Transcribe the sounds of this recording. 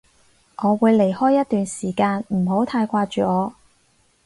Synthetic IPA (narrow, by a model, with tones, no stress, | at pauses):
ʔɔː˨˧wuː˨˧jle˨˩jhɔː˥jːɐ˥t̚t̪yː˨nsiː˨˩kaː˧nm̩˨˩ɦo˨˥wt̪ʰaː˧jkʷaː˧t͡ʃyː˨ɔː˨˧